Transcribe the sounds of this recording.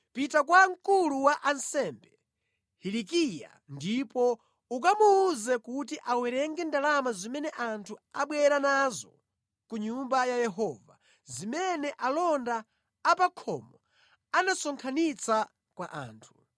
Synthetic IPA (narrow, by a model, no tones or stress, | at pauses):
pitakwaŋkuluwaʔansɛmbɛ | hilikija̰ | ndipɔ | uk̬amuːzɛkut̬iʔawɛɾɛŋɡɛndalamazimɛnɛʔantʰuaɓwɛɾanazɔ | kuɲumbajajɛɦɔːva | zimɛnɛʔalɔndaː | pakʰɔmɔ | anasɔŋkʰanit͡sʰa | kwaʔa̰ːntʰu̥